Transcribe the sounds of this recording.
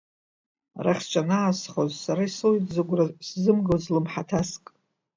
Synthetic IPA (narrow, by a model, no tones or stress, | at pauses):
raχʲt͡ʃʼanaːsχozsaɾaisojtʼzɨɡʷraszɨmɡozlɨmħatʰaskʼ